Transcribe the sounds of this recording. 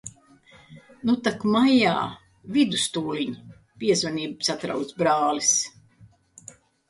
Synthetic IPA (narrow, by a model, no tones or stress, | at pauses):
nut̪akmaja̰ː | vid̪ust̪uːliɲ | piɛzvaniːbsat̪ɾa̰wt̪sbɾaːlis